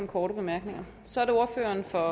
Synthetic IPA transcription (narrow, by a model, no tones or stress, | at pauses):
m̩kʰɒːɾəb̥e̝mæɐɡ̥ne̝ŋɐ | sɒ̽æɐɾeo̝ɐfø̰ːɐnfɒ̽